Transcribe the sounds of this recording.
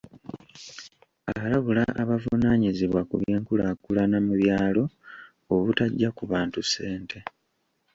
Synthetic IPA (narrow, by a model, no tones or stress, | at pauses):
aβalaβulaʔːβavunaːɲiziβwakuβje̞ːŋkulakulanamuβjaːlo̞ | oβutaɟːakuβaːntuse̞ːnte̞